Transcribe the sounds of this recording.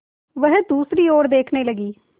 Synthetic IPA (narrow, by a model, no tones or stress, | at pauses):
ʋəɦd̪uːsɾiːoːɾd̪eːkʰneːləɡiː